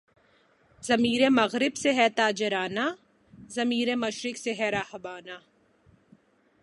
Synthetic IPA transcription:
zɐmiːɾẽmɐɣɾɪbseɦɛt̪aːd͡ʒɪɾaːna | zɐmiːɾẽmɐʃɾɪkseɦɛɾaːhbaːna

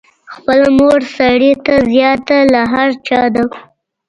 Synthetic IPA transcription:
xpəlamoɽsaɽit̪azjɑt̪alaɦaɾt͡ʃɑd̪a

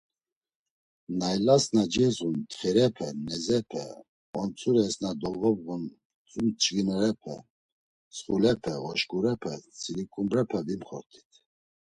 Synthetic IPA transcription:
najlasnad͡ʒizunt̪χɛɾɛpʰɛnɛzɛpʰɛ̰ | ɔnt͡sʰʼuɾɛsnad̪ɔlvɔvɣun | t͡sʼumt͡ʃʼɡinɛɾɛpʰɛ̰ | sχulɛpʰɛɣɔʃkʼuɾɛpʰɛt͡sʰʼilikʼumbɾɛpʰɛbimχɔɾt̪ʰi̥t̪ʰ

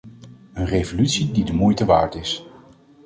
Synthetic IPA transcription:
ənrejvolytsididəmujtəʋaːɹtɪs

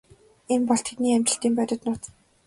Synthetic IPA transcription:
empɔɮt̪ʰet̪niːamt͡ɕɪ̆ɬt̪iːmpœt̪ʲɪ̆t̪nʊːt̪

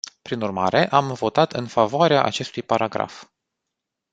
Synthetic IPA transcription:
pɾinurmaɾe̞ʔamvo̞t̪at̪ɨnfavoaɾeaʔa̰t͡ʃe̞st̪ujpaɾaɡɾa̰f

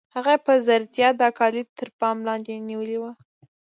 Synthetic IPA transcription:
haɣapəzaɾd̪ijɑd̪əakɑlɪt̪əɾpɑmlɑnd̪eniwəliwə

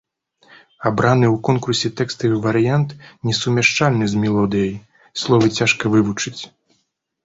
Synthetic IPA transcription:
abɾanɨwkɔnkursʲɛt̪ɛkst̪ɨvɐɾɨjant̪nʲɛsumʲaʂt͡ʂalʲnɨzmʲɛlˠɔd̪ɨjɐj | slˠɔvɨt͡sʲaʂkɐvɨvut͡ʂɨt͡sʲ

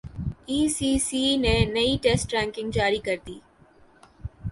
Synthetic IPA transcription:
iːsiːsiːnẽnɐiʈeːsʈɾɛ̃ːŋkɪ̃ŋɡd͡ʒaːɾikɐɾt̪iː

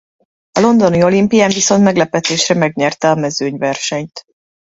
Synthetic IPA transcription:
ɒlo̞nd̪o̞nio̞limpijaːɱviso̞nt̪mɛɡlɛpɛt̪eːʃrɛmɛɡɲɛrt̪ɛɒmɛzøːɲvɛrʃɛɲt̪

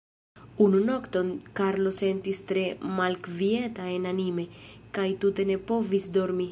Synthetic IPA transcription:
ununokt̪o̞nkaɾlose̞nt̪ist̪ɾemalkviet̪aenanimekajt̪ut̪e̞ne̞povisd̪oɾmi

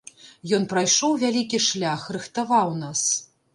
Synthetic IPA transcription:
jɔnpɾajʂɔwvʲalʲikʲiʂlʲaxrɨxt̪avawnas

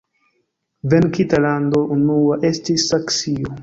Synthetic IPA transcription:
venkitaland̪oʔunuaʔestisːaksio

